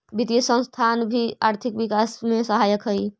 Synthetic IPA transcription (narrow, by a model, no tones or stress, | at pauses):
bit̪isə̃st̪ʰaːnbʱiaːɾt̪ʰɪkʋɪkaːsmẽsəɦaːjəkɦəi